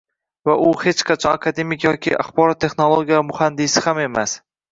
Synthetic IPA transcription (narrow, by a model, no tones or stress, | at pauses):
vaʔʊhe̞t͡ʃqʰat͡ʃʰɒnakʰad̪e̞mɪkjɒkʲḭʔa̰χbɒɾɒt̪ʰːe̞χnolˠoɡʲijamʊhand̪ɪsɪhame̞mas